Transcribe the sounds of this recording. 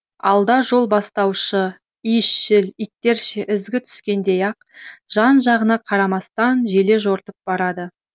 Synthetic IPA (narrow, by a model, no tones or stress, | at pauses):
ɑ̰lˠd̪ɑʒo̞lˠbɑst̪ɑwʃə | ijʃːɪlijt̪ːe̞ɾʃɪʔɪzɡʲɪt̪ʰʏ̥skʲe̞nd̪e̞jɑq̚ʒ̥ɑnʒɑʁənɑqʰɑɾɑmɑst̪ɑnʒe̞le̞ʒo̞ɾt̪əp̚b̥ɑɾɑd̪ə